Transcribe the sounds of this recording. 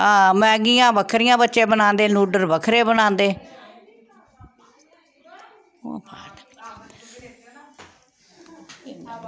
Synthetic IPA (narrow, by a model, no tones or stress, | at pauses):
ãːmɛ̃ːɡijãːbəkʰɾɪjãːbətːʃẽːbənãːnd̪eːnuːɖəɾʋəkʰɾeːbənãːnd̪eː | pʰaːt̪